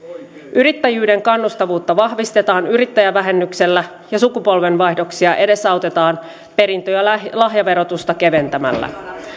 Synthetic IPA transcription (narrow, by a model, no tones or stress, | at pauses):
ʔyɾit̪ːæjyːde̞ŋkɑnːust̪ɑʋuːt̪ːɑʋɑhʋist̪e̞t̪ɑːnyɾit̪ːæjæʋæɦe̞nːykse̞lːæ | jɑsukupo̞lʋe̞nʋɑjhdo̞ksiɑʔe̞de̞sɑot̪e̞t̪ɑːn | pe̞ɾint̪ojɑlɑɦjɑʋe̞ɾo̞t̪ust̪ɑke̞ʋe̞nt̪æmæ̰lːæ̰